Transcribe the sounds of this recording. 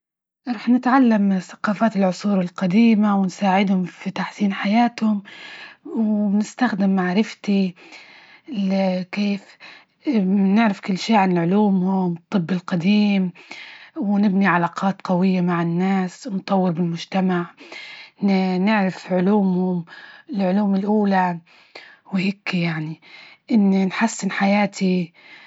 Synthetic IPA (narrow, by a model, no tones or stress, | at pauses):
ɾˤuːħnɪt̪ʕalːamθḁqɑːfaːt̪ɪlʕʊsˤuːɾɪlqad̪iːmawɪnsaːʕɪd̪hʊmfit̪aħsiːnħajaːt̪hʊm | wnɪst̪axd̪ɪmːaʕɾɪft̪i | lkeːf | nɪʕɾɪfkʊlːʃiːʕanɪlʕʊluːmhʊmt̪ˤːɨbːɪlqad̪iːm | wnɪbniʕalaːqɑːt̪qɑwɪjːamaʕɪnːaːsnʊt̪ˤːɑwːɪɾbɪlmʊʒt̪amaʕ | nɪʕɾafʕʊluːmhʊmɪlʕʊluːmɪlʔuːla | wheːkjaʕniʔɪnːinħasːɪnħajaːt̪ʰi